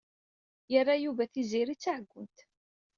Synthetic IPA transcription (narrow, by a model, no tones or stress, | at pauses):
jərˤːajuvæθiziɾit͡sːaʕəɡʷːʊnt̪